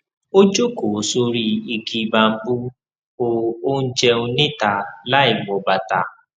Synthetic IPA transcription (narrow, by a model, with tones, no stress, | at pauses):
o˦d͡ʒo˦ko˨so˧ɾi˦i˧ki˧ba˧m̩˦bu˦ | o˧o˦n̩˦d͡ʒɛ˧u˧nẽ˦ta˨la˦i˦˨wɔ˨ba˨ta˨